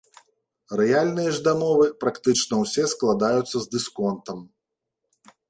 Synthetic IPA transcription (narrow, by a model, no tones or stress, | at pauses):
rɛjalʲnɨjɐʐd̪amɔvɨpɾakt̪ɨt͡ʂnɐwsʲɛsklˠad̪ajut̪sːɐzʲd̪ɨskɔnt̪ɐm